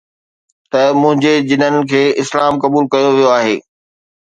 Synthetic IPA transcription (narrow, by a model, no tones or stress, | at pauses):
t̪ɐmʊ̃ɦɪ̃ɲd͡ʑed͡ʑɪnənɪ̆kʰeːɪslaːmkɐbuːlkɐjoʋijoaːɦeː